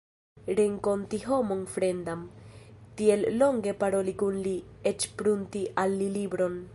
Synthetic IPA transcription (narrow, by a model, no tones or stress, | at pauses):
ɾeŋko̞ntiɦo̞mo̞nfɾe̞ndamtie̞lːo̞ŋɡe̞paɾo̞likunlie̞t͡ʃpɾuntiʔalːilibɾo̞n